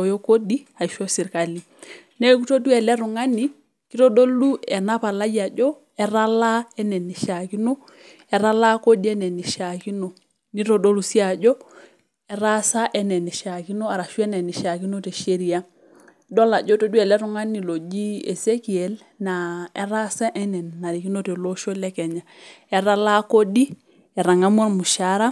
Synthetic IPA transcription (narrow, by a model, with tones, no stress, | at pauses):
o˨jo˦ko˦di˦ | a˨i˨ʃo˦si˨ɾka˨li˨ | ne˦ku˦to˦du˦ɛ˨lɛ˦ɾu˨ŋa˦ni˦ | ki˦to˦do˦lu˦ɛ˨na˦pa˨la˦ɟi˦a˨ɟɔ˦ | ɛ˦ɾa˦la˦ɛ˦nɛ˨ni˨ʃa˨ki˦no˦ | ɛ˨ɾa˦la˦ko˦di˦ɛ˦nɛ˨ni˨ʃa˨ki˦no˨ | ni˦to˨do˦lu˨si˦a˨ɟɔ˦ | e˨ɾa˦sa˦ʔɛ˦ne˨ni˨ʃa˨ki˦no˦a˨ɾa˨ʃu˦e˦ne˨ni˨ʃa˨ki˦no˦te˨ʃe˦ɾi˨a˦ | do˦la˨ɟo˦to˦du˦e˨le˦ɾu˦ŋa˦nːi˨lo˨d͡ʒi˦ḛ˨se˦ki˨e˨l | na˨e˨ɾa˦sa˦ʔɛ˦nɛ˨nːa˨ɾi˨ki˦no˦te˨lo˦ʃo˦le˦kɛ˨ɲa˨ | e˨ɾa˦la˦ko˦di˦ | e˨ɾa˨ŋa˦mo˦ɾmu˨ʃa˦ɾa˦